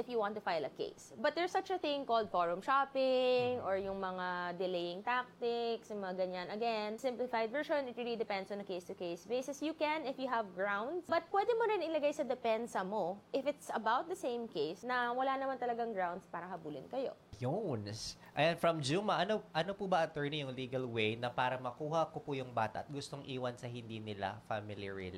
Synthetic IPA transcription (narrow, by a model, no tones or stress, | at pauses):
ʔɪfjuwãnt̪ʊfajlɐkḛɪsbɐt̪̚d̪ɛɹsːɐt͡ʃɐθɪ̃ŋkoːld̪̚foɹʊmʃapɪŋʔɔɹjʊŋmɐŋad̪ɪlejɪŋt̪ak̚t̪ɪksjʊŋmɐŋaɡɐɲanɐɡɛnsɪ̃mplɪfajd̪̚vɛɹʃɔ̃nɪt̪̚ɹilid̪ɪpɛ̃nd̪sɔ̃nɐkejst̪ʊkeɪsbejsɛsjʊkɛ̃nɪfjʊɦɐvɡɹawnd̪sbɐt̪̚pwɛd̪ɛmoɾɪnɪlɐɡajsɐd̪ɛpɛnsɐmoʔɪfɪt̪sɐbawt̪̚d̪ɐsẽjmkejsnɐwɐlanɐmant̪ɐlɐɡaŋɡɹawnd̪spaːɾɐhɐbuːlɪ̰nkɐjo̞̰jons | ʔɐjanfɹɐmd͡ʒuːmɐʔɐnoʔɐnopubɐʔɐt̪ɛɹnijʊŋliːɡɐlwejnɐpaːɾɐmɐkuːhɐkopʊjʊŋbaːt̪ɐ̰ʔɐt̪̚ɡʊst̪oŋʔiːwɐnsɐhɪnd̪iːnɪla̰famɪliɹḭl